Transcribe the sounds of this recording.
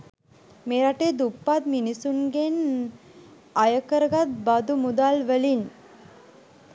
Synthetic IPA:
meɾaʈed̪upːat̪̚minisunɡen | ajəkəɾəɡat̪̚bad̪umud̪alʋəlin

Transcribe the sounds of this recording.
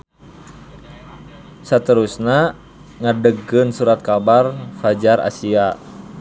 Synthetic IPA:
sət̪əɾusna | ŋadəɡɨnsuɾat̪̚kabarfad͡ʒara̰sia

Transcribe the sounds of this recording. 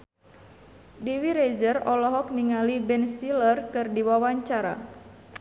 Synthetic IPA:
diwiɾezərɔlɔɦɔk̚niŋalibɛnst̪ilərkɨrdiwawaɲt͡ʃaɾa̰

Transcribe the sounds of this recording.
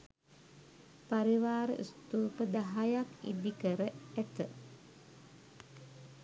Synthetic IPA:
paɾiwaɾʔṵst̪upəd̪aɦajanḭd̪ikəɾəɛt̪ə

